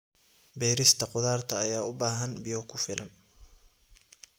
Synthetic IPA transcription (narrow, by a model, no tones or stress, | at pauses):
bɛːɾɪst̪ʰɐqʊðaːrt̪ʰɐːjaːʊbaːɦɐnbɪjɔkʰʊfɪlʔɐ̰n